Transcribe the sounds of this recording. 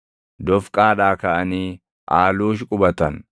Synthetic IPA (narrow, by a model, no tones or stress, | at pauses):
d̪ɔfkʼaːᶑaːkɐʔɐniː | ʔaːluːʃ̬kʼʊbɐt̪ɐn